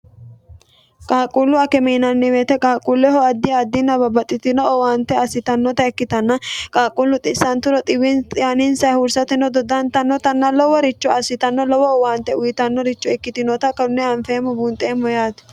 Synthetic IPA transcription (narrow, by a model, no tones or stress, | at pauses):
kʼaːkʼulːʊɐkɛmiːnɐnːɪweːt̪ɛkʼaːkʼulːɛɦɔɐd̪ːɪɐd̪ːɪnːɐbɐbɐt̪ʼːɪt̪ɪnɔɔwaːnt̪ːɛɐsɪt̪ɐnːɔt̪ɐɛkːɪt̪ɐnːɐkʼaːkʼulːʊt̪ʼɪsɐnt̪ːʊɾɔt̪ʼɪwɪntanɪnsɐjhʊɾsɐt̪ɪnɔd̪ɔd̪ɐnt̪ɐnːɔt̪ɐnːɐlɔwɔɾɪt͡ʃːɔɐsːɪt̪ɐnːɔlɔwɔɔwaːnt̪ːɛʊjɪt̪ɐnːɔɾɪt͡ʃːɔɛkːɪt̪ɪnɔt̪ɐkɐʊnːɛɐɱfeːmɔbunt̪ʼeːmɔjaːt̪ɪ̥